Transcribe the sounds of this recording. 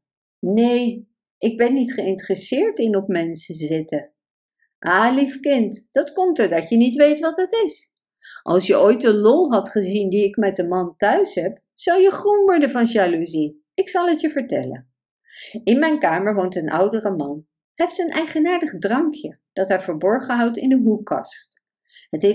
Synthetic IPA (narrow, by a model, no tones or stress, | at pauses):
nej | ʔɪɡ̚bɛnːitχəɪntərəsɪːɹtɪnɔp̚mɛnsəzɪtə | ʔaːlifkɪntd̥ɑtkɔmtəɹdɑtjənitʋejtʋɑtdɑtɪs | ʔɑ̰lˠsjəʔojt̚dəlɔlˠɦɑtχəzindiɪkmɛt̚dəmɑntœɥsɦɛp | z̥ɑwjəχrɔnʋɔɹdəvɑnʒaːluzi | ɪksɑlˠɦətjəvəɹtɛ̰lə̰n | ɪnmɛjnkaːməɹʋowntənʔʌ̰wdərəmɑn | ɦeftənʔɛjχənaːɹdəχdrɑŋkʰjə | d̥ɑtɦɛjvəːɹbɔɹχəɦʌwtɪ̰ndəɦukːɑ̰st | ɦəte